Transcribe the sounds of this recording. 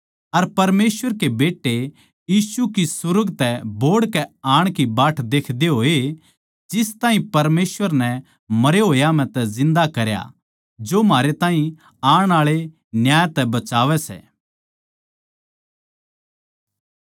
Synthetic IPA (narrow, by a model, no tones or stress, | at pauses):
ɐɾpɐɾmeːsʋəɾkebeːʈːe | jiːsukisʊɾəɡt̪ɛboːɽkɛaːɽ̃kibaːʈʰd̪eːkʰd̪eɦoːe | d͡ʒɪst̪ãːɦĩpɐɾmeːsʋəɾnɛ | mɐɾeɦoːjamɛ̃t̪ɛzɪ̃nd̪akɐɾja̰ | d͡ʒoːmaːɾet̪ãːɦĩ | aːɽ̃aːɭe | njaːjt̪ɛbɐt͡ʃaːʋɛsɛ̰ː